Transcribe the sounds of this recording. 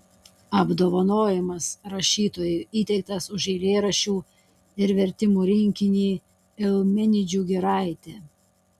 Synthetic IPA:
ɐbd̪oːʋɐnoːjɛmɐsɾɐʃʲiːt̪oːjʊiːt̪ʲɛɪk̚t̪ɐsʊʒɛɪlʲeːɾɐʃʲuː | ɪɾʋʲɛɾʲt̪ʲɪmuːɾʲɪŋʲkʲɪnʲiː | ɪlˠmʲɪnʲɪd͡ʒʲuːɡʲɪɾɑɪt̪ʲeː

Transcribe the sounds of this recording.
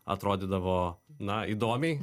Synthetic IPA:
ɐ̰t̪ɾoːd̪ʲɪd̪ɐʋoːnɐid̪oːmʲɛɪ

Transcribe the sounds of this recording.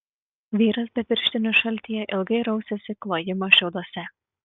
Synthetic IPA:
ʋʲiːɾɐsbʲɛpʲɪɾʲʃʲt̪ʲɪnʲʊʃɐlʲˑt̪ʲijɛʔɪlˠɡɐɪɾɐʊsʲɛsʲɪklˠoːjɪmoʃʲɛʊd̪oɔsʲɛ

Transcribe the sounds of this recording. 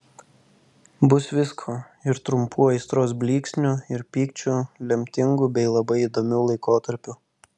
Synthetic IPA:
bʊsʋʲɪskʰoː | ɪɾt̪ɾʊmpʰuːɐɪst̪ɾoːsbʲlʲiːksʲnʲʊɪɾpʲiːkt͡ʃʲuːlʲɛmʲt̪ʲɪŋɡubʲɛɪlˠɐbɐɪid̪oːmʲuːlˠɐɪkoːt̪ɐɾʲpʲʊ

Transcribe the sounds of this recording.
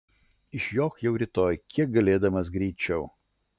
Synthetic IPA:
ɪʃjoːkjɛʊɾʲɪt̪oːjkʲiɛk̚ɡɐlʲeːd̪ɐmɐsɡɾʲiːt͡ʃʲɛʊ

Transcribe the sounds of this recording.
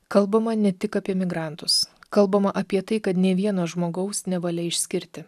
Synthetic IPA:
kɐlˠbɐmɐnʲɛt̪ʲɪkɑːpʲiɛmʲɪɡɾɑˑnt̪ʊskɐlˠbɐmɐʔɐpʲiɛt̪ɐɪkɐt̪nʲeːʋʲiɛnoːʒmoːɡɐʊsnʲɛʋɐlʲɛɪʃʲsʲkʲɪɾʲt̪ʲɪ

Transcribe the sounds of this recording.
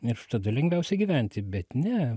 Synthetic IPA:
ɪrt̪ɐd̪ʊlʲɛŋʲɡʋʲɛʊsʲɛɡʲiʋʲænʲt̪ʲɪbʲɛt̪nʲɛ

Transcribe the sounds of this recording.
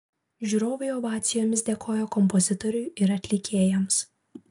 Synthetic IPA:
ʒʲuːɾoːʋʲeɪɔʋɑːt̪sʲɪjoːmʲɪsd̪ʲeɛkʰoːjoːkɔmpɔzʲɪt̪ɔɾʲʊjɪɾɐt̪ʲlʲɪkʲeːjɛms

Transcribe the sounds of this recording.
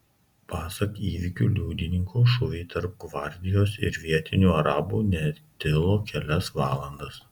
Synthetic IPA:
pɑːsɐkiːʋʲɪkʲuːlʲuːd̪ʲɪnʲɪŋkʰoːʃʊʋʲɛɪt̪ɐɾp̚ɡʋɐˑɾʲd̪ʲɪjoːsɪ̰ɾʋʲiɛt̪ʲɪnʲuːɐɾɑːbuːnʲɛt̪ʲɪlˠoːkʲɛlʲɛsʋɑːlˠɐnd̪ɐs

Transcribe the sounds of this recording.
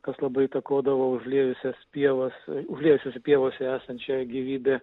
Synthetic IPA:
kɐslˠɐbɐɪt̪ɐkoːd̪ɐʋoːʊʒʲlʲiɛjʊsʲɛspʲiɛʋɐsʊʒʲlʲiɛʋʊsʲoːsʲɛpʲiɛʋoːsʲɛæːsɐnt̪ʲt͡ʃʲɛːɡʲiʋʲiːbʲeː

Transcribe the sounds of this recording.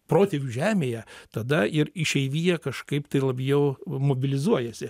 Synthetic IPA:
pɾoːt̪ʲeʋʲuːʒʲæːmʲeːjɛt̪ɐd̪ɐɪɾɪʃʲɛɪʋʲiːjɛkɐʃkɐɪpt̪ɐɪlˠɐbʲjɛʊmoːbʲɪlʲɪzuɔjɛsʲɪ

